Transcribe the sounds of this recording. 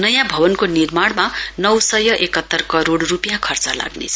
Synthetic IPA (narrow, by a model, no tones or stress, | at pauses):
nʌjãbʱʌbʌnkonirmaɽmanʌwsʌjʌʔekʌt̪ːʌrkʌɾoɽrupjakʰʌrt͡sʌla̰ɡnḛt͡sʰ